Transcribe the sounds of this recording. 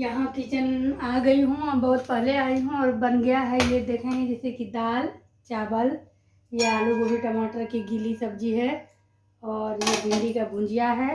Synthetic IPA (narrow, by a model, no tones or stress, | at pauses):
jɐɦãkit͡ʃənaːɡɐiɦũbɐɦʊt̪̚pəɦleaːiɦũɔːɾbɐnɡəjaɦɛjed̪eːkʰẽɡɛ̃d͡ʒɛsekid̪aːl | t͡ʃaːbəl | jaluɡobiʈɐmaːʈəɾkiɡilisɐb̚d͡ʒiɦɛ | ɔːɾjeb̪ʱɪ̃nd̪ikabʱʊ̃d͡ʒijaɦɛː